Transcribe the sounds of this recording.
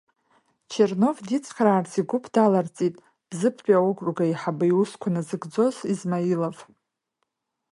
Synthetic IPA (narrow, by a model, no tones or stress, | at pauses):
t͡ʃʰerno̞vdit͡sʼʰχʲɾaːrt͡sʰiɡʷʊpʰd̥alart͡sʼitʼ | b̥zɨpʰt͡ʃʷʼaokʷʼrɡaiħabajuskʷʰanɨzɨɡd͡zo̞zizmailav